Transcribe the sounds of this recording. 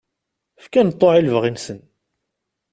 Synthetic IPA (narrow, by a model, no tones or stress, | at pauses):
fkænt̪ˤːoʕilvʁinsən